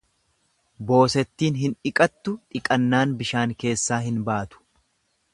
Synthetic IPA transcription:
bo̞ːsɛt̪ːiːnɦɪnᶑɪkʼɐt̪ːʊᶑɪkʼɐnːaːnbɪʃaːŋke̞ːsːaːɦɪnbaːt̪ʊ̥

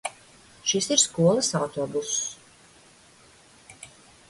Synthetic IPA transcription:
ʃisiɾskuɔlˠɐsawt̪oːbus

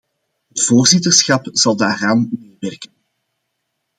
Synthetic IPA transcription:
ɦətv̥oːrzɪtərsxɑpz̥ɑlˠdaːɾaːnmeːʋɛrkən

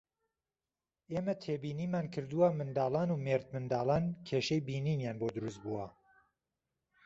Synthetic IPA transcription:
ʔeːmɐt̪ʰeːbiːniːmaːnkʰɨɾd̪uwamɨnd̪ɑːlˠɑːnuːmeɾt̪̚mɨnd̪ɑːlɑːnkʰeʃejbiːniːnjaːnbod̪ɨɾust̪̚buːwɐ

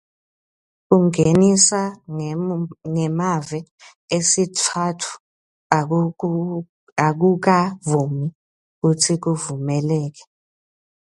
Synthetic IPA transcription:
k̬uŋenisa | ŋɛmavɛ | esitʰatʰu̥ | ak̬uk̬avumi | k̬utʰik̬uvumɛlɛːk̬ɛ̥

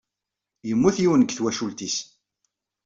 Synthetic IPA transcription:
jəmːuθiwənəɡθwæʃult̪is

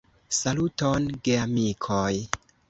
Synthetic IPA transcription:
salutonɡeamikʰoj

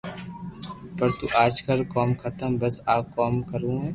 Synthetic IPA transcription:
pɐɾt̪uʔaːd͡ʒkɐlkɔːmkʰɐt̪əmbɐsaːkɔːmkɐɾũɦɛː

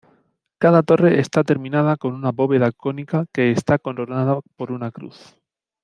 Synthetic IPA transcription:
kaðat̪o̞re̞ʔest̪at̪e̞ɾmĩnað̞ako̞nunaβo̞βe̞ðako̞nikake̞ːst̪ako̞nɾonaðapo̞ɾunakɾṵθ

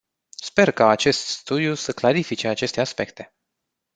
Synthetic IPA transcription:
spe̞rkaːt͡ʃe̞st̪st̪ud̪iusəklaɾifit͡ʃe̞at͡ʃe̞st̪e̞aspe̞kt̪e̞̥

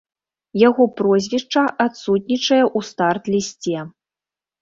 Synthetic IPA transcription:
jaɣɔpɾɔzʲvʲiʂt͡ʂɐʔat̪sut̪ʲnʲit͡ʂɐjɛʔust̪art̪lʲisʲt͡sʲɛ

